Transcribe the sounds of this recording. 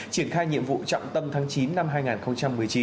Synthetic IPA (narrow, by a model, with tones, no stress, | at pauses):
t͡ɕi˧˩ənxaː˧jɲḭ˧˨əmvṵ˧˨t͡ɕɔ̰˧˨wŋ͡mt̪ə˧mt̪ʰaː˨˦ŋt͡ɕi˨˦nːa˧mɦaː˧jŋaː˨˩nxə˧wŋ͡mt͡ɕa˧mːɨ˨˩əjt͡ɕi˨˦n